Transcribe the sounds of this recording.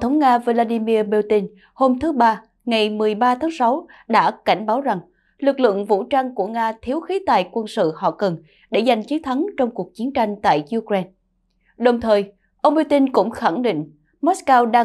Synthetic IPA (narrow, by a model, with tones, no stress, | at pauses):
t̪ʰə˨˦wŋ͡mŋaː˧vo˧laː˧ɗi˧mi˧əɓe˧t̪i˧n | ho˧mt̪ʰɨ˨˦ɓaː˧ | ŋa˨˩jmɨ˨˩əjɓaː˧t̪ʰaː˨˦ŋsa˨˦w | ɗa̰ː˧˥ka˧˩jŋ̟ɓaː˨˦wza˨˩ŋ | lɨ˨˩k̚lɨ̰˧˨əŋvṵ˧˥t͡ɕa˧ŋku˧˩əŋaː˧t̪ʰi˨˦əwxi˨˦t̪a̰ː˨˩jkwə˧nsɨ̰˧˨hɔ̰˧˨kə˨˩n | ɗe˧˩za˨˩jŋ̟t͡ɕi˨˦nt̪ʰa˨˦ŋt͡ɕɔ˧wŋ͡mku˨˩ək̚t͡ɕi˨˦ənt͡ɕa˧jŋ̟t̪a̰ː˧˨jju˧kɹe˧n | ɗə˨˩wŋ͡mt̪ʰəː˨˩j | ʔə˧wŋ͡mɓt̪i˧nkʊ̰˧˥ŋ͡mxa˧˩ŋɗḭ˧˨ŋ̟ | mɔ˦˥skaː˧wɗaː˧